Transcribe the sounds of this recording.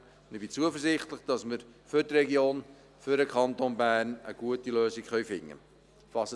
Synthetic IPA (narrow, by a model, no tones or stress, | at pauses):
nibit͡suəfərsɪχtləχd̥ɑsmərførdreɡion | føɾəkʰɑntonbæːrnə̰ɡuətiløːsiŋχœɥfɪŋə̰ | fɑs